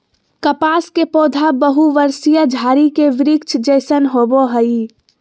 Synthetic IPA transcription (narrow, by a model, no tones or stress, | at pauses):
kəpaːskepoːd̪ʱabəɦuʋəɾsijəd͡ʒʱaːɾikeʋɪɾɪkt͡ʃʰd͡ʒəɪsənɦoboɦəi